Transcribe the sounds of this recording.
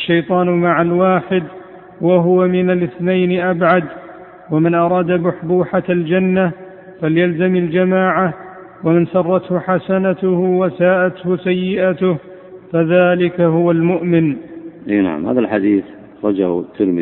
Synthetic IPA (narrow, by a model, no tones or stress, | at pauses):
aʃːajt̪ˤɑːnmaʕalwaːħɪd̪ | waɦʊwamɪnalʔɪθnajnɪʔabʕad̪ | wamɪnʔɑɾˤɑːd̪amʊħbuːħald͡ʒanːa | faljalzamald͡ʒamaːʕa | wamɪnsɑrˤːɑt̪hʊħasanat̪ʊhwasaːʔat̪hʊsajːɪʔat̪ʊh | faðaːlɪkaɦʊwalmʊʔmɪnʔḛːna̰ʕa̰mha̰ːðalħad̪iːθ | ɑxɾˤɑd͡ʒa̰ht̪ʰːɪɾmɪ